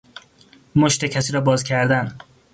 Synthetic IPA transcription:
moʃt̪ecʰæsiːɾɒːbɒːzcʲʰæɾd̪æn

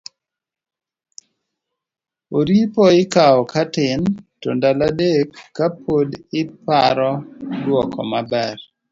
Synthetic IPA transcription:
oɾipoɪkaɔkatɪntɔndaladekːapʰodɪpaɾɔdwɔkʰɔ̰mabɛr

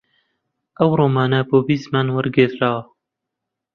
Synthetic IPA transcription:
ɐwɾoːmaːnaboːbiːst̪manwɐɾɡeːt̪ɾaːwɐ

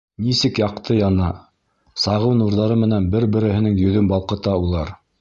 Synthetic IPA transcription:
nisɘkjɑqt̪ʰɤjɑnɑ | sɑʁɤwnuɾðɑɾɤmɘ̆nænbɘɾbɘ̆ɾɘ̆hɘ̆nɘŋjɵ̆ðɵmbɑlˠqɤ̆t̪ɑulˠɑɾ

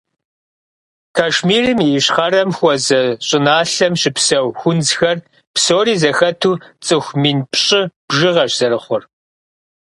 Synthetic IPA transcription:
kʰaʃmiːrɨmiɕχɐrɐmxʷɔzɐɕʼɪnaːɬɐmɕɪpsɐwxʷʊnd͡zxɐr | psoːɾiːzɐxɐtʰuːt͡sʼɨxʷmiːnpɕʼɪb̥ʒɨʁɐɕz̥ɐrɨχʷʊr

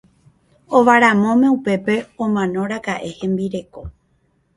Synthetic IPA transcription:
o̞ʋaɾamõ̞mẽ̞upe̞pe̞õmãnõ̞ɾakaʔe̞hẽ̞mbiɾe̞ko̞

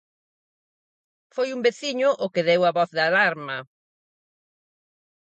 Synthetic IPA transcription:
fojumbeθiɲʊʔʊkɪðewaβɔθðalaɾmɐ

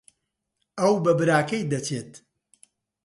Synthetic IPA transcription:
ɐwbɐbɨɾaːkɐjd̪ɐt͡ʃet̪

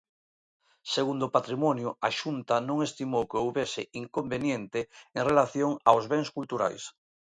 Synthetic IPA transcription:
seɣund̪opat̪ɾimɔnjʊaʃunt̪anõŋest̪imowkeowβesɪiŋkombenjẽnt̪ɪeŋrelaθjoŋawzβeŋskult̪uɾa̰js

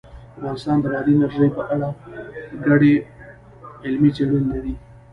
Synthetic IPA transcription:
avɣɑnɪst̪ɑnd̪əɾɑd̪inaɾʒəjpəʔaɽaɡaɽe | ɪlmit͡seɽunːad̪i

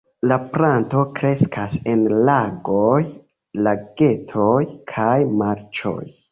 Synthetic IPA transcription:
lapɾanto̞kɾe̞skʰase̞nlaɡo̞j | laɡe̞tʰojkʰajmaɾt͡ʃo̞̰j

